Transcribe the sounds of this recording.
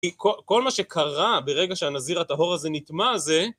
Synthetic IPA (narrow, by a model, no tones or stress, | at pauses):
ikoko̞lmaʃekʰaʁabeʁeɡaʃeanaziʁat̪aɦo̞ʁazenit̪maze